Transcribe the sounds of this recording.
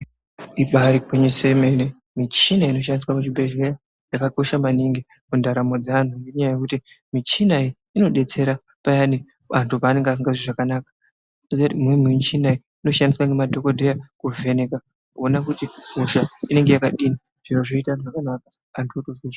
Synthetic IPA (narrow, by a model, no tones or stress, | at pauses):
iɓaɾikweɲisemene | mit͡ʃinaino̞ʃ̬andiswamut͡ʃibʱe̞ʒeja | jakako̞ʃamaniŋɡi | kundaɾamo̞d͡zaan̤uŋɡe̞ɲajaje̞kutimit͡ʃinai | ino̞ɗe̞t͡se̞ɾa | pajani | antʰupaːne̞ŋɡeas̬iŋɡaʐiʐakanaːkḁ | nozutimwimiɲt͡ʃinai | ino̞ʃandiswaŋɡemadʱo̞kodʱejakuve̞neka | kuonakutimuʃaine̞ŋɡe̞jakaɗini | ʐ̥inoʐoitaʐakanakaː | ntʰuotozwe